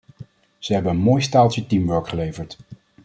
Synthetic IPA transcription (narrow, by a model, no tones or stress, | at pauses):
z̥əɦɛbəənmoːjstaːlˠt͡ʃətimʋœɹkχəlejvəɹt